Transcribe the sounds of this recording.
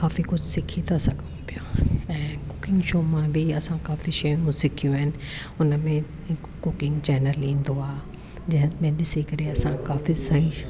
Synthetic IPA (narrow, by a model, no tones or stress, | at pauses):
kaːfikʊd͡ʑʱsɪkʰit̪ʰasɐɡʱəũpijoɛ̃ːkʊkɪ̃ŋɡʃoːmãbʱɪɐsãkaːfiʃɐjũsɪkʰijũaːɦɪnɪ̆ | ʊnmẽ | kʊkɪ̃ŋɡt͡ɕɛːnəlĩːnd̪oaː | d͡ʑɐ̃ɦɪ̃mẽɗɪsikɐɾeɐsãkaːfisɐĩ